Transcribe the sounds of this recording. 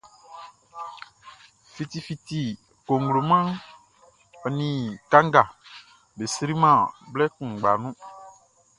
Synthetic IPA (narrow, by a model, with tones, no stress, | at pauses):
fi˨t̪i˨fi˨t̪i˨ | ko˨ŋ˨ɡlo˨mã˦ | ɔ˨nĩ˨kã˦ŋ˦ɡa˨ | be˨sɾi˦mã˦˨blɛ˦kũ˨ɡ͡ba˨nũ˦